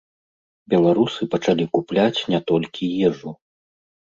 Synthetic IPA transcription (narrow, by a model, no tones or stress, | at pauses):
bʲɛlˠaɾusɨpɐt͡ʂalʲikuplʲat͡sʲnʲɛt̪ɔlʲkʲʰijɛʐu